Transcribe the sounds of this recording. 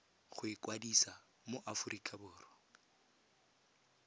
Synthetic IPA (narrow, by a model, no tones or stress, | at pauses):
χʊɪkʼwadisa | moʔafʊrikʼabʊːrɔ